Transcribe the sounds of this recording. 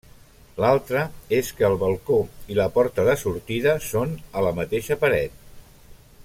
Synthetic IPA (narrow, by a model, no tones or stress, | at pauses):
lalˠt̪ɾəeskəːlˠβəlˠkoiləpɔɾt̪əðəsuɾt̪iðəsonələmət̪eʃəpəɾɛt̪̚